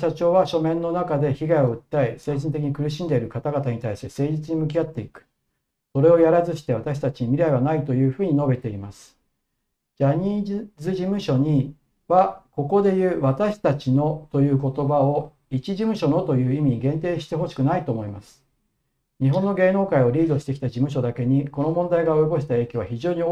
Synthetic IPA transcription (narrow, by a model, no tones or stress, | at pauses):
ɕat͡ɕo̞ːβaɕo̞mẽ̞nːo̞nakad̪e̞çiɡaio̞ɯ̟t̪ːaise̞ːʑint̪e̞k̬ʲiɲikɯ̟ɾɯ̟ɕ̬ĩnd̪e̞iɾɯ̟kat̪aɡat̪aɲ̟it̪aisese̞ːd͡ʑit͡sɨɲ̟imɯ̟k̬ʲiat̪ːe̞ikɯ̟̥ | so̞ɾe̞o̞jaɾazɨɕi̥t̪e̞β̞at̪aɕi̥t̪at͡ɕiɲ̟imʲiɾaiβanait̪o̞jɯ̟ːɸɯ̟ːɲ̟ino̞be̞t̪e̞imasɨ̥ | d͡ʑaɲ̟izɨʑimɯ̟ɕo̞ɲ̟i | βako̞ko̞d̪e̞jɯ̟ːβat̪aɕi̥t̪at͡ɕino̞t̪o̞jɯ̟ːko̞t̪o̞bao | it͡ɕiʑimɯ̟ɕo̞no̞t̪o̞jɯ̟ːimʲiɲ̟iɡẽ̞nt̪e̞ːɕi̥t̪e̞ɦo̞ɕi̥kɯ̟nait̪o̞ːmo̞imasɨ̥ | ɲiɦõ̞nːo̞ɡe̞ːno̞ːkaio̞ɾʲiːd̪o̞ɕi̥t̪e̞kʲi̥t̪ad͡ʑimɯ̟ɕ̬o̞d̪ake̞ɲ̟iko̞no̞mõ̞nd̪aiɡao̞joɡo̞ɕi̥t̪ae̞ːkʲoβaçiʑo̞ːɲ̟i